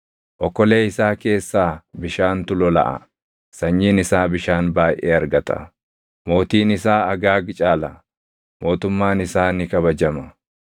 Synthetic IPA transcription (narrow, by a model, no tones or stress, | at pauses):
ʔɔkːɔle̞ːɪsaːke̞ːsːaːbɪʃaːnt̪ʊlɔlɐ̰ʔɐ̰ | sɐɲːiːnɪsaːbɪʃaːnbaːjʔḛːɐɾɡɐt̪ʼɐ̰ | mo̞ːt̪iːnɪsaːɐɡaːɡt͡ʃʼaːlɐ | mo̞ːt̪ʊmːaːnɪsaːnɪkɐβɐd͡ʒɐmɐ